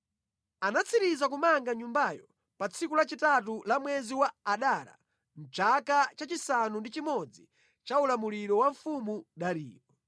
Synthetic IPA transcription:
anat͡sʰiɾizakumaŋɡaɲumbajɔ | pat͡sʰikulat͡ʃitatulamwɛziwaːɗaːɾa̰ | m̩t͡ʃakat͡ʃat͡ʃisanundit͡ʃimɔd͡zi | t͡ʃaulamuliɾɔwaɱfumuɗaɾḭːɔ

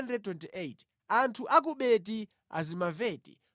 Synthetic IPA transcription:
ndɛtwɛntiʔeit | antʰuʔak̬uɓɛt̬i | a̰zimavɛːtḭ

